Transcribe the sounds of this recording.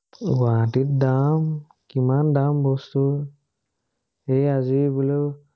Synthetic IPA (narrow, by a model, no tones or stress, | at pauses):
watit̚dam | kimandambɔst̪u | ejazibulo